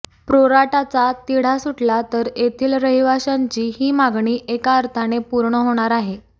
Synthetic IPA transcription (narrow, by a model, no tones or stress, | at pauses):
pɾoɾaʈat͡sat̪iɽ̤asuʈlat̪əɾet̪ʰiːlɾəɦiʋaɕaɲt͡ɕiːhiːmaɡɳiːʔekaəɾt̪ʰanepuɾɳəɦoɽ̃aɾaɦe